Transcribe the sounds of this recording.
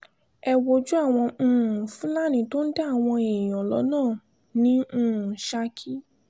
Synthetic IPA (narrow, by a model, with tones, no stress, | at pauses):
ɛ˧wo˧d͡ʒu˦a˦˨w̃ɔ̃˧˨fũ˦la˦˨nĩ˧˨to˦n̩˦da˦a˦˨w̃ɔ̃˧e˨j̃ɔ̃˨lɔ̰˨˦nãː˦˨ | nĩ˨˦˨ʃa˦kʰi˦